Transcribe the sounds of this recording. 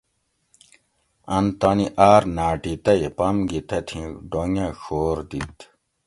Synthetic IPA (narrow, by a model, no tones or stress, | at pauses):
ɐnt̪ɐniʔaːɾnaːʈit̪ɐipɐmɡit̪ɐt̪ʰĩɖoŋjaɕoːɾd̪it̪